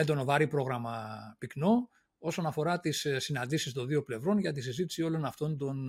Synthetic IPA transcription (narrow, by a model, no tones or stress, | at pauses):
et̪o̞novɐɾipɾo̞ɣɾɐmɐpikno̞ | o̞so̞nɐfo̞ɾɐt̪issːinɐnd̪isist̪o̞nðio̞ple̞vɾo̞nʝɐt̪isizit̪i̥sio̞lo̞nɐft̪o̞nd̪o̞n